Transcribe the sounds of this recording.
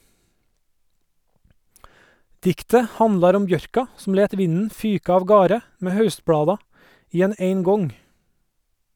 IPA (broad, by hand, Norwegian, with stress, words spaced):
ˈdɪktə ˈhɑnlɑɾ ˈɔm ˈbjœɾkɑ sm̩ ˈleːt ˈʋɪnn̩ ˈfyːkɑ ɑʋˈɡɑːɾə ˈmeː ˈhɑʉstˌblɑːdɑ ˈiː ˈɛn ə ˈeɪŋˌɡɔŋ